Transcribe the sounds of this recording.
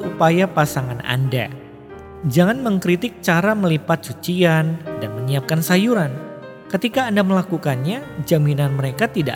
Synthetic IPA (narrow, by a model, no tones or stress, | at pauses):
upajapasaŋana̰nda̰ | d͡ʒaŋanməŋkɾit̪ɪk̚t͡ʃaɾaməlipat̪̚sut͡ʃiandanməɲiap̚kansajuɾan | kət̪ikaːndaməlakukanɲad͡ʒaminanməɾekat̪ida̰